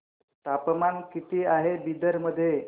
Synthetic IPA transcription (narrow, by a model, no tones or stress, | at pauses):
t̪apmankit̪iːaɦebid̪əɾməd̪ʱːje